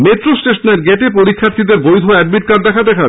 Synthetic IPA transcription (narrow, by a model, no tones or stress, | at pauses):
metɾosʈeʃoneɾɡeʈepoɾikʰːaɾt̪id̪eɾbojd̪ʱoɛɖ̚miʈ̚kaɾ̚d̪ɛkʰad̪ɛkʰa